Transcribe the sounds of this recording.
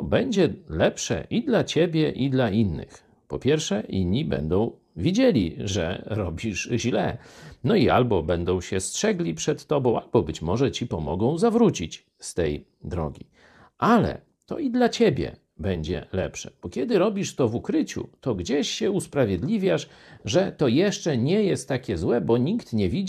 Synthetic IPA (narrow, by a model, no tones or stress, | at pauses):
bɛɲd͡ʑɛlɛpʂɛ̰ʔid̪lat͡ɕebʲjɛʔid̪lainːɘ̰x | pɔpʲjɛɾfʂɛḭnʲːibɛ̰nd̪ɔ̃w̃ | vʲjid͡ʑelʲiʐɛ̰ɾɔbʲiʐʑlɛ̰nɔia̰lbɔbɛnd̪ɔ̃w̃ɕɛstʂɛɡlʲipʂɛt̪ːɔbɔ̃w̃albɔbɘt͡ɕmɔʐɛt͡ɕipɔmɔɡɔ̃w̃zavɾut͡ɕit͡ɕ | st̪ɛj | d̪ɾɔ̰ɡʲi | ʔalɛ̰ | t̪ɔ̰id̪lat͡ɕɛbʲjɛ̰ | bɛɲd͡ʑɛ̰lɛ̰pʂɛ̥̰b̥ɔkʲɛd̪ɘɾɔbʲiʂt̪ɔvukɾɘt͡ɕṵt̪ɔɡd͡ʑeɕɕɛuspɾavʲjed̪lʲivʲjaʂ | ʐɛt̪ɔjɛʂt͡ʂɛɲɛjɛst̪ːakʲɛzwɛbɔɲikt̪ɲɛvʲi